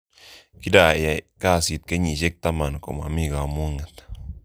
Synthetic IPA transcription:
ki˦da˨ja˨ka˦˨si˨t̪̚ke˦ɲi˨ʃe˦k̚t̪a˦ma˨nko̰˨ma̰˨mi˦˨ɡa˨mo˦ŋa˨t̪

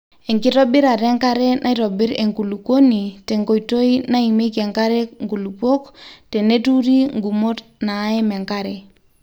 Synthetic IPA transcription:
e˨ŋki˦tɔ˦bi˦ɾa˨ɾɛ˦ŋka˦ɾɛ˦nʔa˦i˦ɾɔ˨bi˦ɾe˨ŋku˨lu˨ko˦ni˨te˨ŋko˨i˨to˦i˦na˦i˨me˦ke˨ŋka˦ɾɛ˦ŋɡu˨lu˨po˦kte˨ne˦tu˦ɾi˦ŋɡu˨mo˦tnaː˨˦ɛ˦mɛ˨ŋka˦ɾɛ˨

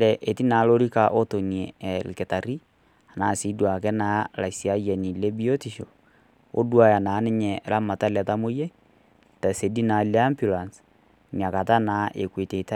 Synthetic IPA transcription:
ɾɛ˨ʔe˨ti˦na˨˦lo˦ɾi˦ka˨ʔo˦to˨n˨ɛ˨lke˨ta˨ɾi˦ | a˨na˨si˦dwa˨kɛ˦na˨˦la˨si˨a˦jɛ˨ni˨le˦bi˦o˦ti˨ʃo˨ | o̰˦dwa˦ja˨na˨˦ne˦ɲɛ˨lʔa˦ma˨ta˦la˨ta˦mo˦je˦ | ta˨se˨di˦na˨la˦mbju˨la˨ns | ni˨a˨ka˨ta˦na˨˦ʔḛ˨kwe˨te˨ta˦

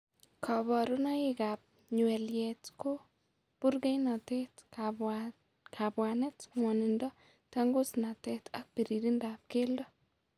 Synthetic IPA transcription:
kʰɔ˨bɔ˨ɾʊ˦nɔ˦ɪ˦ɡa˨p̚ | ɲwɛ˨ljɛtko˦ | pu˦ɾɡɛ˦jnɔ˨te˦t | kʰa˨bwa˨nɛ˦tŋwɔ˨nɪ˨ndɔ˦ | ta˦ŋɡʊ˦sna˨te˦ta˦k̚pi˨ɾi˨ɾi˦ndap̚ke˦ldɔ˦

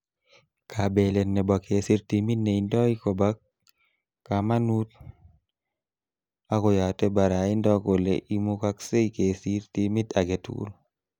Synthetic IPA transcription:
kʰabele˨nnːɛ˨ba˨ke˨si˦ɾtimi˦tne˨indɔ˦i˦ko˨ba˦kː | a˨ma˦nut̚ | a˦kɔ˨ja˨tɛ˦ba˨ɾa˨i˦ndɔ˦ko˨lḛʔi˦muka˦kse˦ikesi˦ɾtimi˦ta˨ɡe˨tṵl

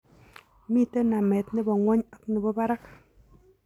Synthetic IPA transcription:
mi˦˨te˦na˨mɛ˨tnɪ˦bɔ˨ŋwɔ˦ɲa˦kni˨bɔ˦ba˦ɾa˦k

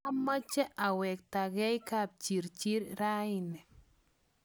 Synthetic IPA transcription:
a˦ma˦t͡ʃɛ˦ʔa˨wɛ˨k̚ta˨ɡɛ˦jka˦p̚t͡ʃi˨ɾt͡ʃi˦ɾɾa˦i˨nɛ˨

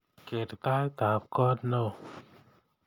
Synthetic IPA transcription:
ke˨˩t̪t̪a˧jt̪a˨p̚kɔ˧t̪̚no˧˩

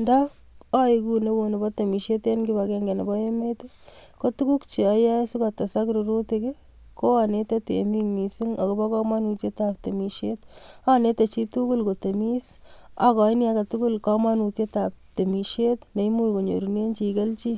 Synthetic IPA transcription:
nda˦ | a˦iku˨ne˦wo˨ne˨bɔ˦te˨mi˨ʃe˦te˦nki˦bakeŋɡe˨ne˨bɔ˦e˦me˦te˦ko˦tu˦ku˦kt͡ʃi˨a˨ja˦su˦ka˨ta˨sa˦kɾuɾu˦tekɪ˦ | ko˦ane˦te˦tḛ˨mi˦mi˨su˦ŋa˨ko˨ba˦kɔ˦ma˦nu˨tje˦tap̚te˨miʃet̪a˦ne˦te˨t͡ʃi˦tuku˦lko˨te˨mi˦sa˨kɔ˨i˦njaka˨tu˦ku˦lkɔ˦ma˦nu˨tje˦tap̚te˨mi˨ʃe˦t̪ne˨i˦mu˦iko˨ɲo̰˨ɾu˨ne˦nt͡ʃi˨ke˦lt͡ʃi˦

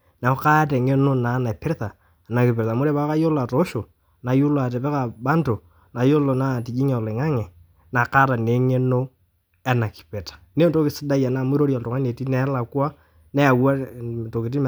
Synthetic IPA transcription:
na˨o˦ka˦tɛ˨ŋe˦no˦na˨˦na˨pɪ˦ɾta˨ | na˨kɪ˨pe˨ɾta˨mo˦ɾe˦βa˦ka˦jo˦la˨to˦ʃo˨ | na˨jo˦lo˨a˨tɛ˨pɛ˦ka˨ba˦nto˨ | na˨jo˦lo˨na˦˨ti˨d͡ʒi˦ŋɛ˨le˨ŋa˦ŋɛ˨ | na˨ka˦ta˨ne˨˦ŋe˦no˦ | ɛ˦na˨ki̥˨pɛ˨tḁ˨ne˦nto˦kɪ˨sɪ˦da˦ja˨na˨mʊ˦ɾo˦ɾja˨lto˨ŋa˦ne˨ti˦nɛ˦la˨kwa˦ | nɛ˦a˨wa˦˨to˨kɪ˨t̬i˦m

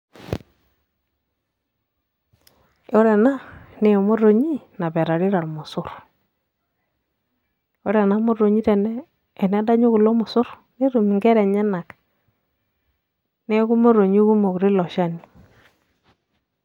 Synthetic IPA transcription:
o˦ɾɛ˨na˦ne˦ɔ˨mo˦ɾo˨ɲi˦na˨bɛ˨ɾa˨ɾi˦ɾa˨ɾmʊ˨sʊ˦ɾ | o˦ɾɛ˨na˦mo˦ro˨ɲi˦ɾɛ˨nɛː˦˨ | nɛ˦da˦ɲo˦ku˨lo˦mʊ˨sʊ˦ɾ | ne˦ɾu˨mi˨ŋɡɛ˦ɾɛ˨ɲɛ˦na˨k | nɛ˦ku˦mo˦ɾo˨ɲi˦ku˦mo˨ku˨ɾi˦lɔ˨ʃa˦ni˨

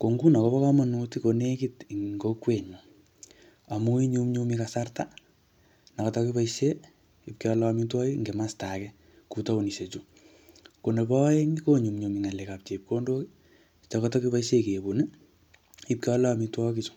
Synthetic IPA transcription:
ko˨ŋɡu˦nɔ˨kɔpɔ˦kɔ˦ma˨nu˧ti˦ko˨ne˦kiti˨ŋŋɡokwe˨ɲu˨ | a˨mu˦i˦ɲumɲumikasarta˦ | na˨kɔ˨tɔkipaiʃe˦ | i˨p̚kiɔ˧lami˦twɔ˦ki˦ŋɡe˨masta˨kɛ˦ | ku˧ta˦u˨ni˨se˨t͡ʃu˦ | ko˨ne˨pɔ˦e˦ŋiko˦ɲu˨mɲumiŋa˨lɛ˨ka˨p̚t͡ʃe˨p̚ko˦ndo˦ki˦ | t͡ʃɔ˨kɔtɔ˦ki˦pa˦iʃe˦ke˨bu˨ni˦ | i˦p̚ki˦ɔ˦la˦mitwɔkit͡ʃu̥˨

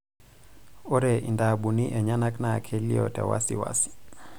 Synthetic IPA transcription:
ɔ˦ɾɛ˨ʔi˨nda˨ɓu˨ni˦ʔɛ˨ɲa˦na˦kna˨kʰɛ˦li˦ɔ̰tɛ̰˨wa̰˦sḭ˨wa̰˦si̥˨

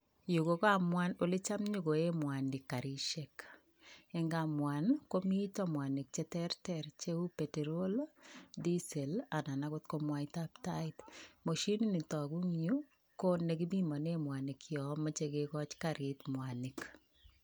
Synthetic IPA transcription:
ju˨ko˦ka˦mwano˨lɪ˦t͡ʃa˦mɲo˦ko˨e˦mwa˨nɪ˨kːa˨ɾi˦ʃek | ɛ˦ŋɡamwa˨nko˦mi˦tɔ˦mwa˨nɪ˨k̚t͡ʃe˦tɛɾtɛɾt͡ʃeu˦pe˨tɛ˨ɾolodi˦sɛ˨la˨na˨nakot̪̚komwa˦it̪aptait̪mo˨ʃi˦ni˦ni˨tɔ˨ɡu˦ŋju˦ | ko˦ne˨ki˦mi˦mɔ˨nemwa˨nɪkjɔ˨ma˦t͡ʃekekɔt͡ʃkaɾʔɪt̪mwani˨k

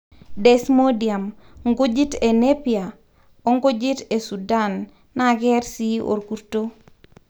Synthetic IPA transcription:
dɛ˨smo˦dia˨mŋɡo˦d͡ʒi˦te˨ne˦pja˨ | o˦ŋɡo˦d͡ʒi˦te˨su˨da˦nː | a˦ɡɛ˦ɾsi˦o̰˨ɾku˦ɾto˦

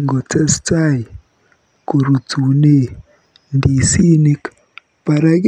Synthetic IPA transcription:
ŋɡɔ˨tɛ˦sta˦˨i˨ | ko˨ɾu˨tu˨ne˦ | ndi˨si˦ni˦k | pa˨ɾa˦ɡ

